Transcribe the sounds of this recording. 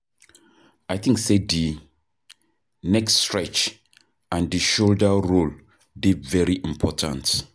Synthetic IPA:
aɪθĩŋksedi | nɛkstɹɛt͡ʃ | ãndiʃoldəɹol | divɛɹiʔĩmpʰɔtʰã̰nt

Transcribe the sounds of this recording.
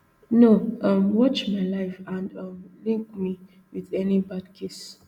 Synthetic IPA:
noʔʌmwɔt͡ʃmajlaɪfãndʌmlĩŋk̚mi | wiðɛnibad̚kʰes

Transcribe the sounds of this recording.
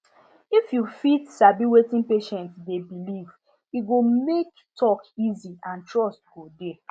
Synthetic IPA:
ifjufitsabiwetĩnpeʃɛ̃ntdebiliv̥ | iɡomek | tʰɔkiziãntɹɔst̚ɡ̥ode

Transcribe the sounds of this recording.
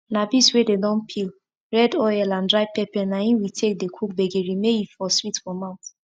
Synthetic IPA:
nabiswededɔ̃npʰil | ɹɛdɔjɛlãndɹaɪpɛpɛnaĩwitʰek̚dekʰuk̚beɡeɹimeifɔswitfɔmaʊ̃t

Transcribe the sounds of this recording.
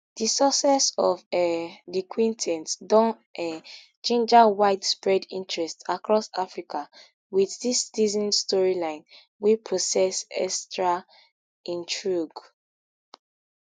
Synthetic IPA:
d̥isɔsɛsɔfɛdikʰwĩntʰɛ̃ntdɔ̃n | ɛ | t͡ʃẽnd͡ʒawaɪdspɹɛdḭ̃ntʰɹɛstsakʰɹɔsafɹikʰa | wiðdistizɔ̃nstɔɹilãɪ̃n | wipʰɹɔsɛsɛ̰stɹa | ĩntɹuɡ

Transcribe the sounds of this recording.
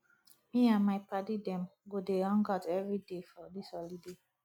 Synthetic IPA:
miãnmaɪpʰadidɛ̃mɡodeɔ̃ŋɡɔtɛvɹidefɔdishɔlide

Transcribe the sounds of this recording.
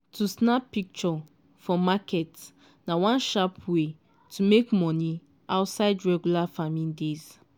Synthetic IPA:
tʰusnapːik̚t͡ʃɔ | fɔmakʰɛt | nawãnʃapwe | tʰumekmɔ̃ni | aʊtsaɪdɹɛɡjulafamĩndez

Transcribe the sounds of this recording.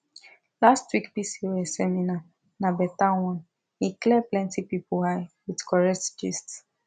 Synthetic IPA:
lastwikbisiwɛsɛmina | nabɛtãwãn | hiklɛplɛ̃ntipipuhaɪwidkʰɔɹɛk̚td͡ʒists

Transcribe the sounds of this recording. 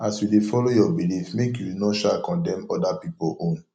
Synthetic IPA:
asjudefɔlojɔbilifmekjuwinɔʃakɔ̃ndɛ̃mɔdapipoʔõn

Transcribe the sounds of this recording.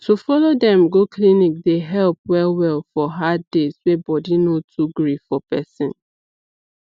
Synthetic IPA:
tufɔlodɛ̃mɡoklinik̚deɦɛlp̚wɛlwɛlfɔɦadeswebɔdinotʰuɡɹifɔpɛsɪ̃n

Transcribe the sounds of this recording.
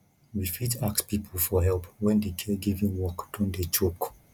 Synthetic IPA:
wifitakspipʰl̩fɔɦɛlpwɛ̃ndekʰɛɡivĩnwɔkd̥ɔ̃ndet͡ʃok

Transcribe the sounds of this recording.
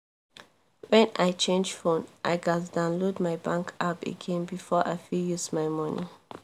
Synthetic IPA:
wɛ̃najt͡ʃẽnd͡ʒfõnʔajɡazdãʊ̃nlodmajbãŋkʰapḛɡẽnbifɔʔa̰jfijusmajmɔnḭ

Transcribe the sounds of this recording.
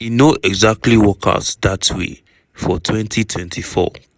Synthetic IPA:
jinoʔɛɡzak̚tʰliwɔkʰa̰tðatwḛ | fɔtʰwɛ̃ntʰitʰwɛ̃ntʰifɔ̰

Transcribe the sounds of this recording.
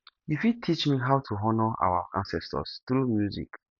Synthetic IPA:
ifutʰit͡ʃmiɦawtʰuɦɔnɔʔa̰waã̰nsɛstɔ̰stumjuzḭk

